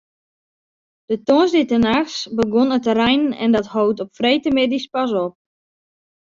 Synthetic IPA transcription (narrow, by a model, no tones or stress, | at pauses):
d̥ətosditənaxsbəɡonətərɛjnɛ̰ndɔthowtɔpfrejtəmedispas̬ɔp̚